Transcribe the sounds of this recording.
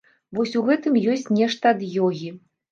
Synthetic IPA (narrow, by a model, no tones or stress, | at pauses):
vɔsʲuɣɛt̪ɨmjɔsʲt͡sʲnʲɛʂt̪ɐd̪jɔɣʲi